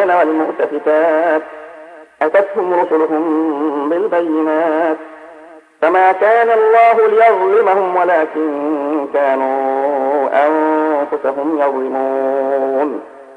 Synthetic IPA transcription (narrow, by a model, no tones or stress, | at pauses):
nawalmʊʔt̪afɪk̪aːt̪̚ʔat̪at̪hʊmɾʊsʊlʊɦʊmbɪlbajːɪnaːt̪ | famaːkaːnalˤːɑːɦʊlɪjɑðˤlɪmahʊmwalaːkɪnkaːnuː | ʔanfʊsaɦʊmjɑðˤlɪmuːn